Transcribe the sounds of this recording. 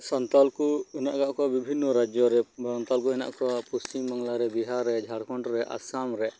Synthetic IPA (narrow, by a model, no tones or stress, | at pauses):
sɔnt̪alkuɛna̰ʔɡaʔkɔabibʱinːɔɾad͡ʒɔɾɛbɾɔnt̪alkuɦɛna̰ʔkɔapust͡ʃimːaŋlaɾɛbiɦaɾːɛd͡ʒʱaɽkʰɔɳʈɔɾɛʔa̰samɾɛ